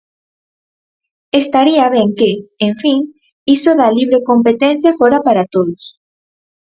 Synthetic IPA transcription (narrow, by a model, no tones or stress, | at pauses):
est̪aɾiɐβɛŋkeeɱfiŋ | isoðaliβ̞ɾekompet̪ɛn̟θjafoɾapaɾat̪oðos